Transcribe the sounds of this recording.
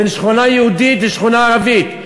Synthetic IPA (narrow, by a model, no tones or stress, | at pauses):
enʃχunajehud̪it̪leʃχunaːʁavit̪